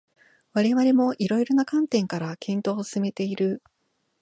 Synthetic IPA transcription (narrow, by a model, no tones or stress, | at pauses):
βaɾe̞βaɾe̞mo̞ʔiɾo̞iɾo̞nakãnt̪ẽ̞ŋkaɾakʰẽ̞nt̪o̞ːsɨme̞t̪e̞iɾɯ̟